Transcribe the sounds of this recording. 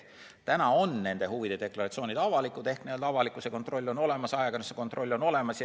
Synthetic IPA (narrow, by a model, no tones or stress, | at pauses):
t̪ænɑo̞nːe̞nd̪̥e̞huvid̪̥ed̪̥e̞klɑɾɑt̪sio̞ːnid̪̥ɑvɑlikˑud̪e̞hknield̪ɑvɑlikːˑusekot̪ro̞lʲːo̞no̞le̞mɑsɑeɡ̥ɑneseko̞nt̪ˑro̞lʲːo̞no̞le̞mɑsj